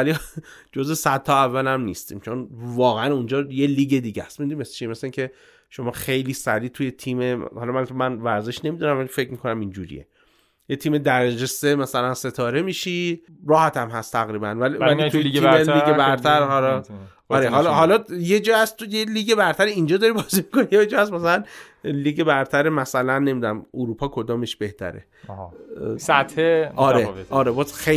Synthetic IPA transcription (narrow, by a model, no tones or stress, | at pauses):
æli | d͡ʒozesæd̪t̪ʰːɒævːælæmnḭːst̪ḭːmt͡ʃʰo̞nvɒːɣeænund͡ʒɒːje̞liːɡe̞d̪iːɟæst̪mind̪inimest͡ʃʰimeseiŋcʲʰe̞ | ʃomɒːxe̞jliːsæɾiːt̪ʰuje̞t̪ʰiːmehɒlɒmænt̪mænvæɾze̞ʃne̞miːd̪unæmvælifecmiːkʰo̞næmind͡ʒṵːɾḭjḛ | jet̪ʰiːme̞d̪æɾæd͡ʒesemæsælænse̞t̪ʰɒːɾe̞miːʃiː | ɾɒːhæt̪ʰæmɦæst̪ʰːæɣɾiːbæ̰nvælivælit̪ʰuiimeliːɡebæɾt̪ʰæɾhɒlɒ | ɒːɾeɦɒllɦɒlɒjed͡ʒɒːhæstt̪ʰojeliːɡe̞bæɾt̪ʰæɾiind͡ʒɒːd̪ɒɾibɒzimiko̞nijed͡ʒɒːæsmæsælæn | liːɡebæɾt̪ʰæɾemæsælænːe̞mid̪unæmuɾupʰɒːkʰo̞d̪ɒːme̞ʃbe̞ht̪ʰæ̰ɾḛ | sæt̪heːɾet̪ɒːɾebɒːzxe